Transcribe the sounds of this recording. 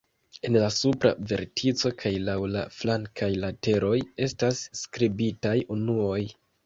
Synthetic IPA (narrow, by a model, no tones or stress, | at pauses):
e̞nlasupɾa̰ve̞̰ɾtʰit͡so̞kʰajlawla̰flaŋkʰajlate̞ɾʔo̞je̞stasːkɾibitajunuo̞j